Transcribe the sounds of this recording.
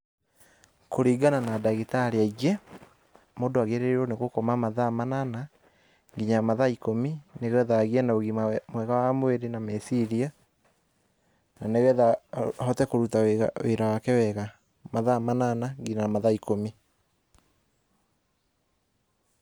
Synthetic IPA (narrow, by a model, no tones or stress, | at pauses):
koɾiːɡananadaɣitaɾeaiɣɛ | moːdoaɣeɾeɾeɾoneɣokɔmamaðamanana | ŋɡiɲamaðaikomineɣɛðaɣiɛnaoɣimamwɛɣawamoweɾenamesiɾia | naneɣɛðahɔtɛkoɾutawea̰weɾawakɛwɛɣa | maðamananaɡiɲaamaðaikomi